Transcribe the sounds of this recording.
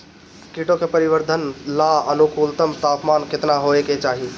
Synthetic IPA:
kiʈokepəɾibəɾd̪ʱənlaənukʰult̪əmt̪apmanket̪naɦoeket͡ʃaɦi

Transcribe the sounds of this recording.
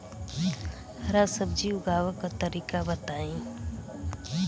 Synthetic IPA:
hɾasəb̚d͡ʒiuɡaːwəkat̪əɾiːkabət̪aːẽ

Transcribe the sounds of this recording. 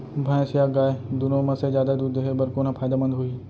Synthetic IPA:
bʱãẽsijaːɡaːed̪ʊnomɐ̃sed͡ʒjaːd̪ad̪uːd̪ɦebɐɾkoːnãpʰaːjd̪amɐ̃nd̪ɦoi

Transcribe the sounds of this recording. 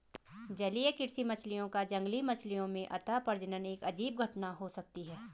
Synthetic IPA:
d͡ʒɐlijekɪɾsimɐt͡ʃʰlijõkad͡ʒɐ̃ŋɡlimɐt͡ʃʰlijõmẽʔɐt̪ʰapɐɾd͡ʒənəneːkɐd͡ʒiːb̚ɡʱɐʈnaɦosɐk̚t̪iɦɛː

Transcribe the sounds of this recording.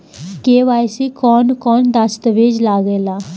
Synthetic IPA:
keːʋaːjsiːkɔːnkɔːnd̪əst̪əʋeːd͡ʒlaːɡeːlaː

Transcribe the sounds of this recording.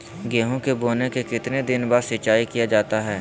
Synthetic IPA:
ɡɛːɦõkeboːnekekɪt̪ned̪ɪnbaːɾsɪt͡ʃaːikijad͡ʒaːt̪aɦɛː

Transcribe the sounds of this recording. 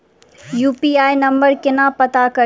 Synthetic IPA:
juːpiːaːjnɐ̃mbəɾkɪnapɐt̪akɐ

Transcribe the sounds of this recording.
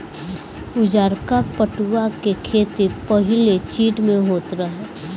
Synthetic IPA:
ʊd͡ʒaːɾkapəʈuakekʰeːt̪ipɐɦɪlet͡ʃiːʈmẽɦoːt̪ɾɐɦeː

